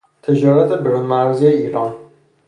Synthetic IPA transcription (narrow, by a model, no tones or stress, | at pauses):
t̪ʰed͡ʒɒːɾat̪ʰebeɾunmæɾzieiːɾɒːn